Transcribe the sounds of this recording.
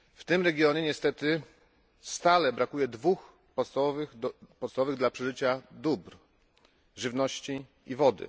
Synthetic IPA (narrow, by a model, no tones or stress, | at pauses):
ft̪ɘmɾɛɡʲjɔɲɛɲɛst̪ɛt̪ɘ | st̪alɛbɾakujɛd̪vux | pɔt̪st̪avɔvɘxpɔt̪savɔvɘɣd̪lapʂɛʐɘt͡ɕad̪ubɾ | ʐɘvnɔɕt͡ɕi | ivɔd̪ɘ̰